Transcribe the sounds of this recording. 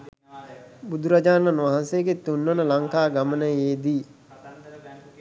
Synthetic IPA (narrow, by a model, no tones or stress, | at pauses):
bud̪ʱuɾad͡ʒaːnanʋaɦansejəɡet̪unːonəlaŋkaːɡamənəjeːd̪iː